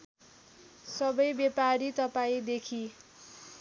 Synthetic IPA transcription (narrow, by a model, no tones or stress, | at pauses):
sʌbʌjbjepaɾit̪ʌpaĩd̪ekʰi